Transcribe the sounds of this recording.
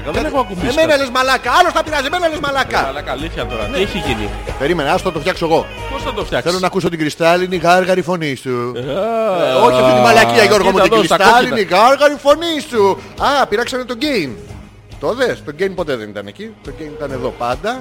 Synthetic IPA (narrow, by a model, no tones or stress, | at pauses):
ɐðenexoɐkumbiemenɐlezmɐlɐkɐɐlo̞st̪ɐpiɾɐzimenɐlezmɐlɐkɐɐlɐkɐliθçɐt̪oɾɐ̰içiʝinḭpe̞ɾimenɐɐsoθɐt̪ofçɐksoeɣo̞ | posɐt̪oft̪ɐkθelonɐːkusot̪iɡɾist̪ɐliniɣɐɾɣɐɾifo̞nist̪u | oçinimɐlɐciɐiʝo̞ɾɣomut̪iɡɾist̪oliniɣɐɾɣɐɾifo̞nist̪uɐpiɾɐksɐnet̪o̞ɟejn | t̪oðe̞st̪o̞ɟejnpo̞t̪e̞ðenit̪ɐne̞̰cit̪o̞ɟejnit̪ɐne̞ðo̞pɐnd̪ɐ